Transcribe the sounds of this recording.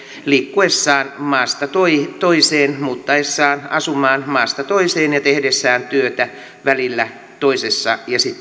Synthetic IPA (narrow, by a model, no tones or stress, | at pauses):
likːuesːɑːnmɑːst̪ɑt̪oit̪oiseːnmuːt̪ːɑesːɑːnɑsumɑːnmɑːst̪ɑt̪oiseːnjɑt̪ehdesːæːnt̪yøt̪æ | ʋælilːæ | t̪oisesːɑjɑsit̪ː